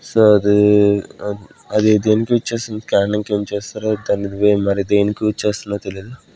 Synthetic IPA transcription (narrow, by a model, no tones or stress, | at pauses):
soːɐd̪i | ɐd̪id̪eːnikiʋit͡ʃːeːst̪und̪ikaːɾɐɳɐŋkeːmt͡ʃeːst̪aːɾod̪aːniʋemɐɾid̪eːnikiʋit͡ʃːeːst̪unːat̪elid̪u